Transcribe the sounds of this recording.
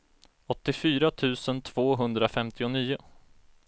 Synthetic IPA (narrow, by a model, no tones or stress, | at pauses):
ɔt̪ːɪfyːɾat̪ʰʉ̟ːsənt̪ʰv̥oːɦɵnd̪ɾafɛmt̪ʰɪʊniːʊ